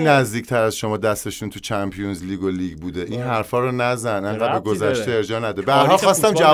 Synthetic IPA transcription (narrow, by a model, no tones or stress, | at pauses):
næzd̪iːcʰt̪ʰæɾæzʃo̞mɒːd̪æst̪e̞ʃuːnt̪ʰut͡ʃʰæmpʰijunzliːɡoliːɡbuːd̪eʔiːnɦæɾfɒːɾɔnæzænæŋɢæbeɡo̞zæʃt̪eeɾd͡ʒɒːnæd̪ebæɾɦɒlxɒːst̪æmd͡ʒæ